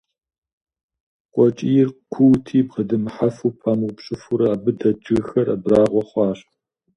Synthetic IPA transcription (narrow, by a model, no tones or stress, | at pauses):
qʷʼɔt͡ʃʼijɪrkʷʰʊwtʰiːbqədɨmħafuːpʰamɨwpɕʼɨfuɾɐːbɨdɐd͡ʒɨɣxɐrɐ̰braːʁʷɔχʷɑːɕʼ